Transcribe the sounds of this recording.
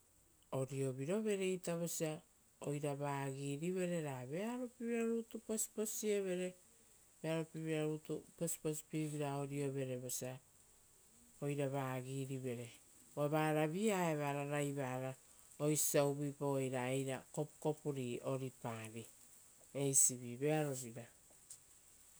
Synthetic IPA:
o̞ɾio̞βiɾo̞βe̞ɾejtaβosia | ojɾaβaːɡiɾiβe̞ɾe̞ɾaβe̞aɾopiβiɾaɾutupo̞si̥po̞sie̞βe̞ɾe̞ | be̞aɾopiβiɾaɾutuposi̥po̞si̥piβiɾao̞ɾio̞βe̞ɾe̞βosia | o̞jɾaβaːɡiɾiβe̞ɾe̞ | βaβaːɾaβiaeβaɾaɾajβaɾa | ojsawbipojɾaejɾako̞pko̞puɾio̞ɾipaɾi | e̞jsiβiβe̞aɾoβiɾa

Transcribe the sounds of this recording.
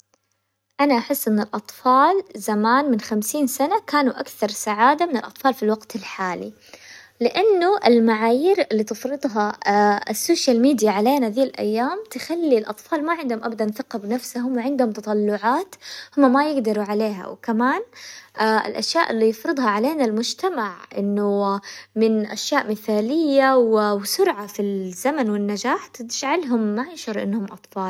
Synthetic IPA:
ʔanaʔaħɪsːʔɪnːɪlʔɑt̪ˤfɑːlzamaːnmɪnxamsiːnsanakaːnuʔakθɑɾˤsaʕaːd̪amɪnɪlʔɑt̪ˤfɑːlfilwaɡt̪ɪlħaːlḭ | lɪʔanːʊʔɪlmaʕaːjiːɾɪlːiːt̪ɪfɾɨd̪ˤɦɑɪsːoːʃjalmiːd̪ijaʕaleːnaðiːlʔa̰jːaːmt̪ɪxalːilʔɑt̪ˤfɑːlmaʕɪnd̪hʊmʔabad̪anθɪqɑbɪnafsaɦʊmwʕɪnd̪hʊmt̪ɑt̪ˤɑlːʊʕaːt̪hʊmːamajɪɡd̪ɑɾuʕaleːɦa̰wɪkamaːnʔaɪ̰lʔaʃjaːʔɪlːijɪfɾɨd̪ˤhɑʕaleːnalmʊd͡ʒt̪amaʕʔɪ̰nːʊmɪnʔa̰ʃjaːʔmɪθaːlɪjːawɪwɪsʊɾʕafiz̥amanwɪnːad͡ʒaːħt̪t̪ɪd͡ʒʕalɦʊmːajɪʃɑɾˤʔɪ̰nːhʊmʔɑt̪ˤfɑːl

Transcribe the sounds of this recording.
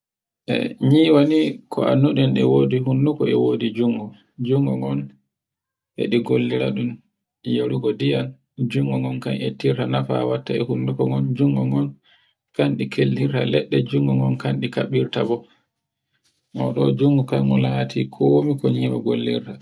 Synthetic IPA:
ʔɛ̰ɲiwanikʰɔʔa̰nːuɗɛnɛwodiɦundukɔɛwodid͡ʒuŋɡu | d͡ʒuŋɡɔŋɔn | ʔɛ̰ɗiɡolːiɾa̰ɗum | joɾuɡɔdijan | d͡ʒuŋɡɔŋɔnkanetːiɾtanafa̰watːaɛhundukɔŋɔnd͡ʒuŋɡɔŋɔn | kanɗikʰelːiɾtalɛɗːɛd͡ʒuŋɡuŋɡɔnkanɗikaɓiɾtabɔ | mɔɗɔd͡ʒuŋɡukanɡɔlatʰikʰomikɔɲiːwaɡolːḭɾta

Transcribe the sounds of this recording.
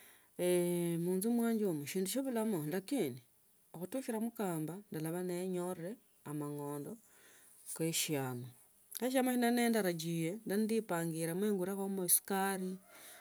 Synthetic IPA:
emuːnzumwaːɲd͡ʒomuʃiːnduʃoβulamolakindi | oxutuʃiɾamukaːmbandalaβaneɲorre̞ | amaŋo̞ːndo̞ | keʃiaːma | eʃ̬amaʃinaneːndaɾaɟijendanidipaːŋɡiɾemweːŋɡuɾakomoisi̥kaɾi

